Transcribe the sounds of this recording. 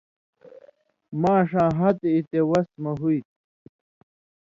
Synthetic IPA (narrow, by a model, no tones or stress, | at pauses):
mãːʂãːɦat̪eit̪ewɐsmɐɦujt̪̚